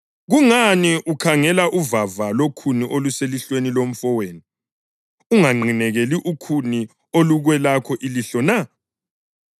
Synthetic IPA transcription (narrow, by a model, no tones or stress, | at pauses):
ɣuŋaniʔukʰaŋɛlaʔuvavalokʰuniʔoluseliɬwenilom̩fɔweːni | uŋaŋ͡ǃʱinɛɣeliʔukʰuni | oluɣwɛlakʰɔʔiliɬɔna